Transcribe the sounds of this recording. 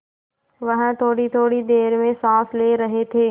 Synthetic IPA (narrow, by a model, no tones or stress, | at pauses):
ʋɐɦə̃t̪ʰoːɽit̪ʰoːɽid̪eːɾmẽsãːsleːɾɐɦet̪ʰeː